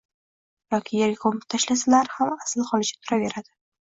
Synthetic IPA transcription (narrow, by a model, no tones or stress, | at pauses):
jɒkʲʰijaɾɡʲɪkʰomɪt̪ʰaʃlas̬alaɾhamasɪlχɒlɪt͡ʃʰḁt̪ʰʊɾaveɾad̪̥ɪ̥